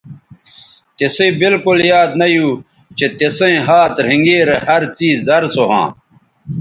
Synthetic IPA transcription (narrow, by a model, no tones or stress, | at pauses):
t̪esẽːbilkuljaːd̪nɐjuː | t͡ɕet̪esẽɦaːt̪ɾ̤ĩŋɡeːɾehɐɾt͡siːzːɐɾsoɦã̰ː